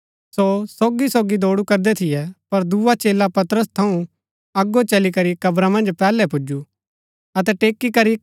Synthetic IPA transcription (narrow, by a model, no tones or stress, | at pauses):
sosoːɡisoːɡid̪oːɽukɐɾd̪ɛt̪ʰɪjɛpɐɾd̪uːat͡ʃeːlapɐt̪ɾəst̪ʰɐũ | ɐɡot͡ʃɐlikɐɾikɐbɾamɐ̃nd͡ʒpɛːlɛpʊd͡ʒu | ɐt̪̬ɛʈeːkːikɐɾi